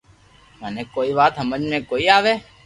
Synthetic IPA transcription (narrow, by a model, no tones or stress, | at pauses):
məneːkoːiːʋaːt̪ɦəməd͡ʒmẽːkoːiːaːʋeː